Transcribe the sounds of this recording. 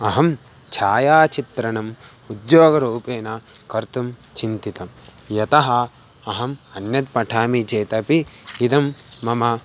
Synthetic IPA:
ɐɦɐm | t͡ʃʰaːjaːt͡ʃit̪ɾɐnɐm | ud̪joːɡɐɾuːpeːnɐ | kɐɾt̪umt͡ʃint̪it̪ɐmjɐt̪ɐɦɐɐɦɐmɐnjɐd̪̚pɐʈʰaːmit͡ʃeːt̪ɐpiːd̪ɐmːɐmɐ

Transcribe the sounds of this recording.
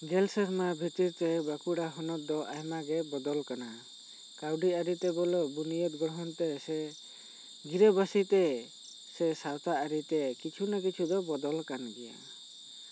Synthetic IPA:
ɡɛlsɛɾmabʱit̪iɾt̪ɛbakuɽaɦɔnɔt̪̚d̪ɔʔajmaɡɛbɔd̪ɔlkana | kawɖiaɾit̪ɛbɔlɔbunijɔt̪̚ɡɔɾɔɦɔnt̪ɛsɛ | ɡiɾɛbasit̪ɛ | sɛsawt̪aːɾit̪ɛkit͡ʃʰunakit͡ʃʰud̪ɔbɔd̪ɔlkanɡɛja̰

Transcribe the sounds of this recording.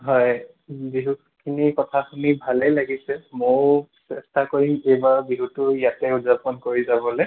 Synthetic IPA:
ɦɔj | biɦuk | kʰinikɔtʰakʰunibʱalejlaɡisɛmoɹsɛstakoɹimejbaɹbiɦutʊjatɛuzapɔnkoɹizabɔle

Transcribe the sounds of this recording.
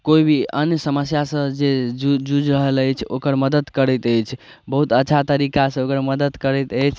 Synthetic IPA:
koibʱiənjsəməsjasə̃d͡ʒed͡ʒud͡ʒɾəɦələjt͡ʃʰo̰kəɾməd̪əd̪kəɾəjt̪əjt͡ʃʰ | bəɦut̪ətːʃʰat̪əɾikasə̃okəɾməd̪əd̪kəɾɛjt̪əjt͡ʃʰ

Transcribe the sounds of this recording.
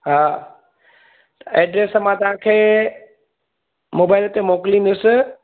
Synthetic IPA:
ɦaː | t̪ɐeːɖɾeːsmãt̪ɐʋ̤ãːkʰeː | moːbaːɪlt̪emoːkɪlĩn̆d̪ʊsɪ̆

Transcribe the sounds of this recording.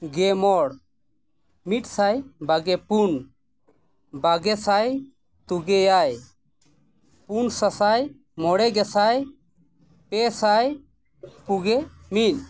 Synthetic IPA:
ɡɛmɔɽ | miʈsajbaɡɛpun | baɡɛsaj | t̪uɡɛjaj | punsasaj | mɔɽɛɡɛsaj | pɛsaj | puɡɛ | min

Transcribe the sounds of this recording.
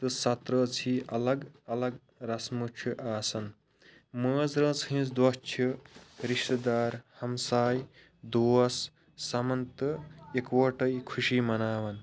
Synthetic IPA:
t̪ɨsɐt̪ɾɐːt͡sʰiʔɐlɐɡɐlɐɡ | ɾɐsmut͡ʃʰiʔaːsɐn | məːd͡zɾɐ̃ːt͡sɦĩːsd̪wɐt͡ʃʰiɾiʂʈ̪ɐd̪aːɾhɐmsaːj | d̪oːɐsː | ɐmɐnt̪ɨekwɐʈɐjkʰuʃiːmɐnaːʋɐn

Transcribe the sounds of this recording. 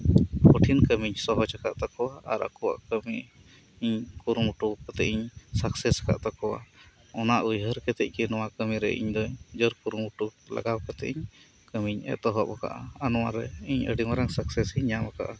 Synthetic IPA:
pɔʈʰinkəmiɲsɔɦɔd͡ʒakaʔt̪akɔwaaɾa̰kɔwa̰ʔkəmi | iɲkuɾumuʈukɔt̪ɛʔiɲsaksɛsḁka̰ʔt̪akɔwa̰ | ɔnaʔujɦəɾkɛt̪ɛc̚ˀkɛnɔwakəmiɾɛ̰ʔḭɲd̪ɔɲd͡ʒəɾkuɾumuʈula̰ɡawkɔt̪ɛ̰ʔiɲ | kəmiɲɛ̰t̪ɔɦɔʔaka̰ʔa̰anɔwaɾɛiɲə̰ɖimaɾaŋsaksɛsiɲamaka̰ʔa

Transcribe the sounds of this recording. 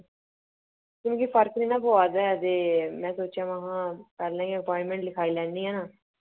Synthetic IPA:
kɪõːkipʰəɾkniːnãːpoaːd̪ɛɛt̪eːmɛ̃ːsoːt͡ʃjãːʋəɦãːpɛːɾlãːkiəpɔɪ̃ɳmẽːɳʈlɪkʰaːiːlɛːnd̪iːɦɛːnaː

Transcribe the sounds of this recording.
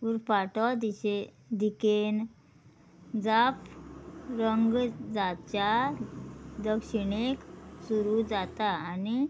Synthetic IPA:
uɾpaʈɔd̪ie | d̪iken | d͡zap | ɾəŋɡd͡zat͡ɕja | d̪əkʂiɳeksuɾud͡zat̪aːni

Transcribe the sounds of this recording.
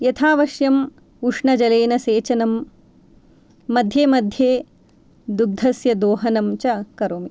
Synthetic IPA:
jɐt̪ʰaːʋɐʃjɐm | uʂɳɐd͡ʒɐleːnɐseːt͡ʃɐnɐm | ɐd̪ʱjeːmɐd̪ʱjeː | d̪ud̪ʱɐsjɐd̪oːɦɐnɐmt͡ʃɐkɐɾoːmi

